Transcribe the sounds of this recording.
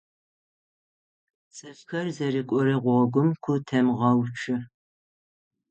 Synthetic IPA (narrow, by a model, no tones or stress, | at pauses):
t͡sʼɨɕxɐrzɐɾikʷʼɔɾɨʁʷɔɡʷʊmkʷʰʊtʰɐmʁɐwt͡ʃʰɨ